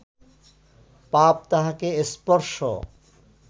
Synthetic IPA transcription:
pap̚t̪aɦakeespɔɾʃo̰

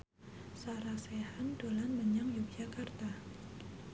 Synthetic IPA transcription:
saɾasehandolanməɲaŋjubijakart̪a

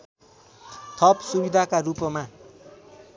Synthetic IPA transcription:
t̪ʰʌpsubid̪ʱakarupʌma

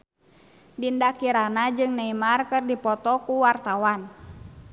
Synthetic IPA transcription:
dindakiɾanad͡ʒɨŋnɛimarkɨrdipɔt̪ɔkuwart̪awan

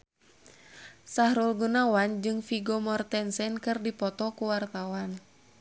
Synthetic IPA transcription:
sahɾulɡunawand͡ʒɨŋfiɡɔmɔrt̪ɛnsɛnkɨrdipɔt̪ɔkuwart̪awan

